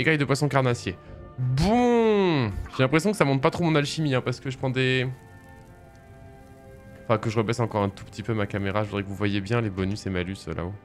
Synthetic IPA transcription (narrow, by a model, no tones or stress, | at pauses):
eɡajd̪əpwasɔ̃kaʁnasjebɔ̃ | ʒelɛ̃pχesjɔ̃kə̥samɔ̃t̪̚pat̪χomɔ̃nalʃimiɛ̃paʁsə̥kəʒəpχɑ̃d̪e | ɑ̃fɛ̃kəʒəʁəbɛsɑ̃kɔʁɛ̃t̪u̥pə̥t̪ipømakameʁaʒəvud̪ʁɛkəvuvwajebjɛ̃lebɔnysemalysə̰lʔa̰o